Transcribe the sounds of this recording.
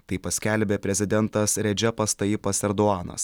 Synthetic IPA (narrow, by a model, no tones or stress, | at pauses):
t̪ɐɪpɐsʲkʲɛlʲbʲeːpʲɾʲɛzʲɪd̪ʲɛnt̪ɐsɾʲɛd͡ʒʲɛpɐst̪ɐɪpɐsɛɾd̪oɑːnɐ̰s